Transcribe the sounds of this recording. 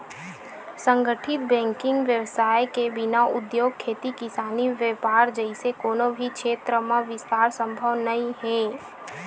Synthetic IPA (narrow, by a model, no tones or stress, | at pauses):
sə̃ŋɡəʈʰɪt̪̚bɛ̃ːŋkɪ̃ŋɡʋjəʋsaːjkebɪnaʊd̪joːɡ̚kʰeːt̪ikɪsaːniʋjəpaːɾd͡ʒəɪsekoːnobʱikʃeːt̪ɾəmãʋɪst̪aːɾsə̃mbʱəʋnɐĩɦɛ̃ː